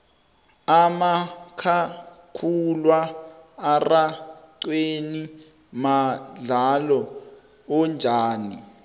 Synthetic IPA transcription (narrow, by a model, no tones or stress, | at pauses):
amakʰakʰulwaː | raǀweni | maɮalɔ | ɔnd͡ʒʱaːni